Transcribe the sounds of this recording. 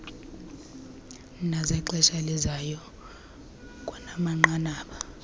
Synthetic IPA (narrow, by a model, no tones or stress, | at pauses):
nazɛǃɛʃalizajɔ | kʼɔnamaŋ͡ǃanaːɓa